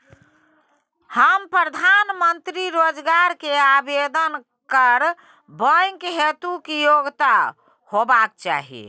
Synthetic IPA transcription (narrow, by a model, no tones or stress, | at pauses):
həmpɾəd̪ʱanmənt̪ɾiɾod͡ʒɡaɾkeabed̪ən | kəɾ | bəjŋkɦet̪ukijoɡt̪a | hobak̚t͡ʃa̰ɦḭ